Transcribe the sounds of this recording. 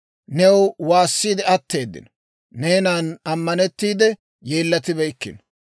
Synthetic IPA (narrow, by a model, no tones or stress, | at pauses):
nɛwwaːsːiːd̪ɛɐt̪ːe̞ːd̪ːɪ̰n | neːnaːnɐmːɐnɛt̪ːiːd̪ɛ | je̞ːlːɐt̪ɪbɛjkːɪ̰n